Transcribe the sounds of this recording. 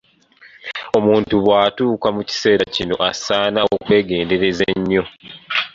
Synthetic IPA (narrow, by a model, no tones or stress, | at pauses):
o̞muːntuβwaːtuːkamuci̥se̞ːɾacino̞̰ʔasaːnaokwe̞ːɡe̞ːnde̞ɾe̞zeɲːo̞